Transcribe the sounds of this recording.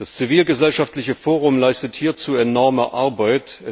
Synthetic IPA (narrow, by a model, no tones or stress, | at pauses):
d̥ast͡siviːlɡəzɛlʃaftlɪçəfoːʁ̞ʊmlaɪstəthiːɐt͡suːɛnɔɐməʔaɐbaɪtɛ